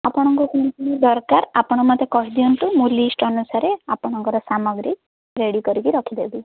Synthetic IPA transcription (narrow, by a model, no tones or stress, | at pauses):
apɔɽ̃ɔŋkukunɔpunid̪ɔɾkaɾapɔɽ̃ɔmat̪ekɔɦid̪iɔnʈ̪umulisʈɔnusaɾeapɔɽ̃ɔŋkɔɾɔsamɔɡɾi | ɾeɽikɔɾikiɾɔkʰid̪ebi